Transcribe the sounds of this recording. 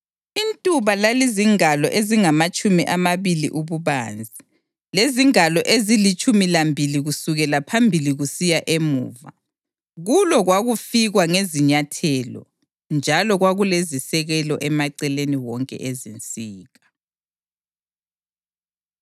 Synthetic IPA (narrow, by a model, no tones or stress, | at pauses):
intʼuβalaliziŋalɔʔeziŋamat͡ʃʼumiʔamaβilḭʔuβuβaːnd͡zʱi | leziŋalɔʔezilit͡ʃʼumilambʱiliɣusuɣɛlapʰambʱiliɣusijaʔemṵːva̰ | ɣulɔɣwaɣufiɣwaŋeziɲatʰɛːlɔ̰ | nd͡ʒʱalɔɣwaɣulezisɛɣɛlɔʔɛmaǀɛleniwɔŋkʼɛ̰ʔezint͡sʼiːɣa